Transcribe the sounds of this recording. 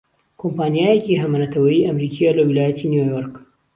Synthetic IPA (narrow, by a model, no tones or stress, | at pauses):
kʰompaːnijaːjeciɦɐmɐnɐt̪ʰɐwɐjiʔɐmɾikʰijalɐwilaːjɐt̪ʰinjojoɾk